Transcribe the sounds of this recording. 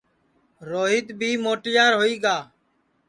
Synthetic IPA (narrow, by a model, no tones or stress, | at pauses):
ɾoːɦɪːd̪bʱiːmoːʈjaːɾɦoːiːɡaː